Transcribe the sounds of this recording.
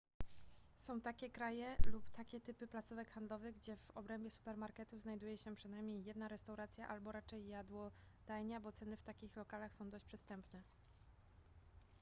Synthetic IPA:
sɔ̃w̃t̪akʲɛkɾajɛlupt̪akʲɛt̪ɘpɘplat̪suvɛkxand̪lɔvɘɣɡd͡ʑɛvɔbɾɛmbʲɛsu̥pɛɾmaɾkɛt̪uznajd̪ujɛɕɛpʂɘnajmʲɲejːɛd̪naɾɛst̪awɾat̪sʲjaʔalbɔɾat͡ʂɛjːad̪wɔ | d̪̥ajɲabɔt̪sɛnɘft̪akʲixlɔkalaxsɔ̃w̃d̪ɔɕt͡ɕʲpʂɘst̪ɛmpnɛ

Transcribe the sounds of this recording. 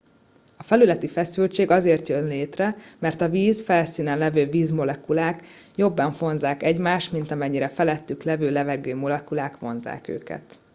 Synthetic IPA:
ɒfɛlylɛt̪ifɛsylt͡ʃeːɡɒzeːrt̪jønleːt̪rɛmɛrt̪ɒviːzfɛlsiːnɛnlɛvøːviːzmo̞lɛkulaːk | jobːɒɱfo̞nzaːkɛɟmaːʃt̪mint̪ɒmɛɲːiɾɛfɛlɛt̪ːyklɛvøːlɛvɛɡøːmo̞lɛkulaːkʋo̞nza̰ːkø̰ːkɛ̰t̪

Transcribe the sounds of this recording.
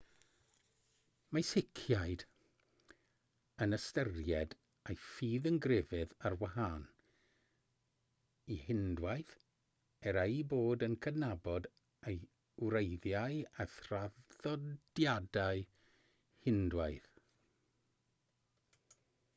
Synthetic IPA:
majsɪkʰjajd̥ | ənəstərjɛd | ejfiːðənɡrɪvɨðarwaɦaːn | ihɪndwaɨθ | ɛɾejboːdənkʰədnabɔd | ej | wɾejðjaɨaθraðɔd̥jadaɨ | hɪndwaɨð

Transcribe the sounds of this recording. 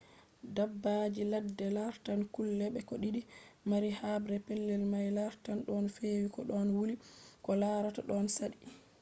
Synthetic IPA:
dabːad͡ʒiladːɛlaɾtankulːɛɓɛkɔɗiɗimaɾihabɾɛpɛlːɛlmajlaɾtanɗɔnfewikɔɗɔnwulikɔlaɾataɗɔnsaɗi

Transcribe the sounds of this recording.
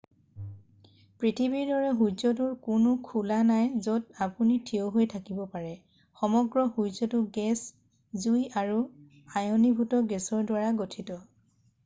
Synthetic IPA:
pɹitʰibiɹdɔɹɛɦuzɔtʊɹkʊnʊkʰulanajzodapunitʰioɦojtʰakibɔpaɹɛ | xɔmɔɡɹɔhuzɔtʊɡɛs | zujaɹu | ajɔnibʱutɔɡɛsɔɹdwaɹaɡotʰitɔ

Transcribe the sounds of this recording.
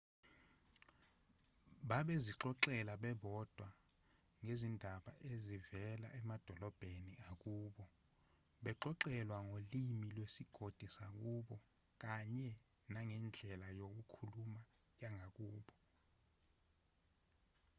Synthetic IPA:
ɓaɓeziǁɔǁɛlaɓɛɓɔd̥ʱwa | ŋezindʱaɓaʔezivɛla̰ʔɛmad̥ʱɔlɔb̥ʱeniak̬uːɓɔ | ɓɛǁɔǁɛlwaŋolimilwesiɡ̥ʱod̥ʱisak̬uɓɔ | k̬aɲɛ | naŋɛnd͡ɮʱɛlajok̬ukʰuluma | jaŋʱak̬uːɓɔ

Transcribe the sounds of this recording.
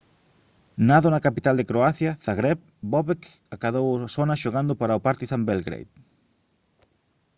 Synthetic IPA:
naðonakapit̪ald̪ekɾoaθjɐθaɣɾɛp̚ | bɔβekakaðowasonɐʃoɣand̪ʊpaɾaopaɾt̪iθambelɡɾḛjt̪

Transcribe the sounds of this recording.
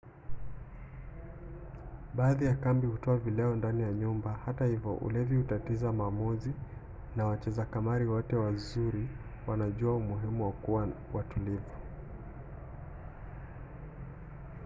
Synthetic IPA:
ɓaːðijakambihutɔavilɛɔndanijaɲumbahatahivjɔ̰ʔṵlɛvjihutatizamaːmuzi | nawat͡ʃɛzakamaɾiwɔtɛwazuɾiwanaʄuaumuɦimuwakuwawʔatulivu

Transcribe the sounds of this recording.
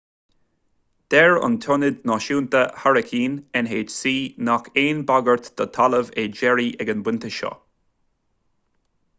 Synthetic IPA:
d̪̥ɛɹʊ̰nt̪ʰɔnɪd̪nɔʃuːnt̪əhaɹəkʰiːnɛnɦeːd͡ʒsiːnakeːnbaɡəɹt̪d̪̥ət̪ʰaləveːd͡ʒɛɹiʔɛɡənbwɪnt̪əʃɔ̰

